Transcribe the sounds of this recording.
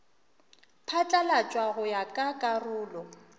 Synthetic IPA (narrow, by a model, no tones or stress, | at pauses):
pʰat͡ɬʼalat͡ʃʼwaɣʊjakʼakʼarʊːlɔ